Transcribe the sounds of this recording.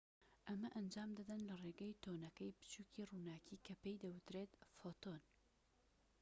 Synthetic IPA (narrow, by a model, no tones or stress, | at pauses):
ʔɐmɐʔɐnd͡ʒaːmd̪ɐd̪ɐnlɐreːɡɐjt̪ʰoːnɐkɐjpɨ̥t͡ʃuːkiːruːnaːkiːkʰɐpejd̪ɐwɨt̪ɾeːt̪fot̪oːn